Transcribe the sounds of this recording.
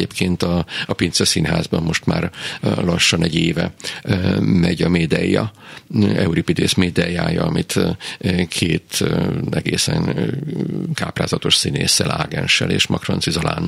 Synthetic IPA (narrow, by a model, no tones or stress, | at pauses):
eːpkʰeːnt̪ɒɒpint̪sɛsinɦaːzbɒmːo̞ʃt̪maːrlɒʃːɒnɛɟeːvɛ | mɛɟɒmeːd̪ɛjːɒ | ɛuɾipid̪eːsmeːd̪ɛjaːjɒɒmit̪ | kʰeːt̪ɛɡeːsɛn | kaːpraːzɒt̪o̞ʃsinḛːsːɛla̰ːɡɛnʃɛlḛːʃmɒkrɒnsizɒla̰ːn